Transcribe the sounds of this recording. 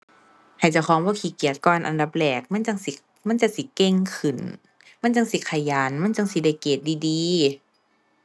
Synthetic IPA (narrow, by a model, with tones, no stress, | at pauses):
ha˨˩jt͡ɕa˧˩wkʰɔː˨˦ŋbɔː˧˥˦kʰiː˧˦ki˨˩ət̪̚kɔː˧˨nʔa̰˧˨nda˧˦p̚lɛː˨˩k̚ma˧˥˨nt͡ɕa˧˨ŋsi˧˦ | ma˧˥˨nt͡ɕa˧˨si˧˦ke˧˨ŋkʰɯ˨˧˩n | ma˧˥˨nt͡ɕa˧ŋsi˧˦kʰa˧˩jaː˨˦nma˧˥˨nt͡ɕa˧˨ŋsi˧˦da˧˩˨jkeː˨˩t̪̚diː˧˨diː˧˦